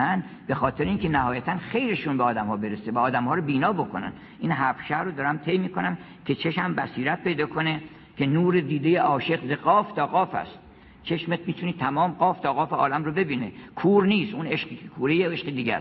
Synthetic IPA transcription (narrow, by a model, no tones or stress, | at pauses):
ænbe̞xɒːt̪ʰe̞ɾeiːnkʲʰe̞næhɒːjæt̪ʰænxe̞jɾe̞ʃunbeɒːd̪æmhɒːbe̞ɾesevæɒːd̪æmhɒːɾobiːnɒːbo̞ko̞̰næ̰n | ʔinɦæfʃæhɾod̪ɒːɾæmt̪ʰe̞jmiːko̞næm | kʲʰe̞t͡ʃʰeʃmæmbæsiːɾæt̪̚pʰe̞jd̪ɒːkʰo̞ne | kʲʰenuːɾed̪iːd̪e̞jeɒːʃe̞qzeɡɒːft̪ʰɒːɣɒːfæ̰st̪ | t͡ʃʰe̞ʃmet̪̚miːt̪ʰuniːt̪ʰæmɒːmɢɒːft̪ʰɒɣɒːfeɒ̰ːlæmɾobe̞biːnekʰuːɾniːst̪ʔuneʃqikʰekʰuːɾejeeʃqed̪iːɡʲæ̰s